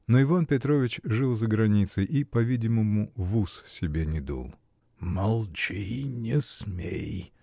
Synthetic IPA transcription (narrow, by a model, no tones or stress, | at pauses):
noɪvanpʲɪt̪ɾovʲɪt͡ɕʐɨlˠzəɡɾɐnʲit̪sɨjʔipɐvʲidʲɪməmʊvussʲɪbʲenʲɪd̪ṵlˠ | mɐlˠt͡ɕijnʲɪsmʲḛj